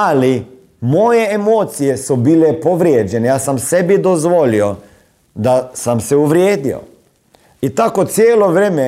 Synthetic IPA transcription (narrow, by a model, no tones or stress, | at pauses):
ali | mojeːmoːt̪sijesubiːlepoʋɾjeːd͡ʒenejaːsamsebid̪ozʋolio | d̪asamseuʋɾjeːd̪io̰ | it̪akot̪sjeːlo̞ʋɾeme